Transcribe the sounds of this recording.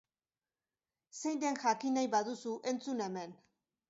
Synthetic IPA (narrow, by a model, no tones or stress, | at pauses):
se̞jnd̪e̞nʝakinajβaðusuʔe̞nt͡sune̞me̞n